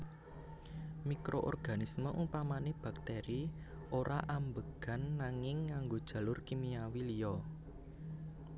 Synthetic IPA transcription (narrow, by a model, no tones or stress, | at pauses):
mikɾoʔɔ̰rɡ̥a̤nisməʔupamaneb̥a̤k̚t̪ɛɾi | oɾʔaʔambəɡ̥a̤nːaŋɪŋːaŋɡod̥ʒ̥a̤lʊrkimiawilijɔ